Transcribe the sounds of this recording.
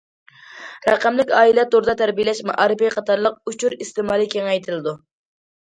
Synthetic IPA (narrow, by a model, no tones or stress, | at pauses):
ɾɛqæmlɪkʲɑːilɛt̪oɾd̪ɑt̪ʰæɾbijlɛʃmɑ̰ʔɑɾɨpiqʰɑt̪ʰɑɾlˠəq̚ut͡ʃʰuɾist̪ɪmɑːlˠikʲʰeŋɛjt̪ʰɪlɨd̪u